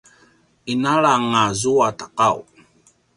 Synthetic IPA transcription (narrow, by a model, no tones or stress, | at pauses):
inaɭaŋazuataqaw